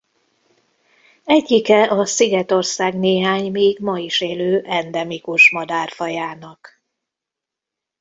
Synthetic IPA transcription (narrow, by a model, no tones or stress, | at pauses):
ɛɟːikɛʔɒsiɡɛt̪o̞rsaːɡneːɦaːɲmiːɡmɒiʃeːløːʔɛnd̪ɛmikuʃmɒd̪aːrfɒjaːnɒk